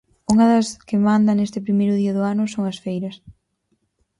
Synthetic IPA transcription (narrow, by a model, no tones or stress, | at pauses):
uŋɐðɐskɪmand̪ɐnest̪ɪpɾimejɾʊðiɐðʊanʊsoŋɐsfejɾɐs